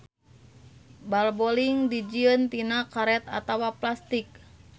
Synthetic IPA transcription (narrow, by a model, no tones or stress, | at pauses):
balbɔliŋdid͡ʒiənt̪inakaɾɛt̪a̰t̪awaplast̪ik̚